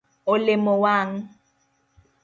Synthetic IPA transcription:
olemɔwaŋ̩

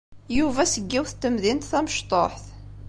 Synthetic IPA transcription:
juvæsəɡːiwθt̪ːəmðint̪θæməʃt̪ˤoħθ

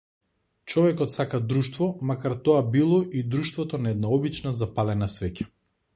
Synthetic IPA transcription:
t͡ʃɔvɛkɔt̪sakad̪ɾuʃt̪vɔmakaɾt̪ɔabilˠɔʔid̪ɾuʃt̪vɔt̪ɔnaɛd̪̚naɔbit͡ʃnazapalɛnasvɛcḁ

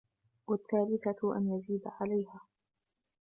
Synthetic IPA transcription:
wat̪ːaːlɪkaʔa̰njaziːd̪ʕalajhaː

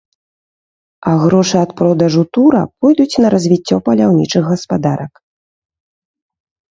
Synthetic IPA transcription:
ɐɣɾɔʂɨɐt̪pɾɔd̪ɐʐut̪uɾɐ̰pɔjd̪ut͡sʲnɐɾɐzʲvʲit͡sʲːɔpɐlʲawnʲit͡ʂɨɣɣɐspad̪aɾɐk

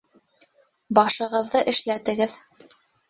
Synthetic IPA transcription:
bɑʃɤ̆ʁɤ̆ðːɤʔɘ̆ʃlæt̪ɘ̆ɡɘð

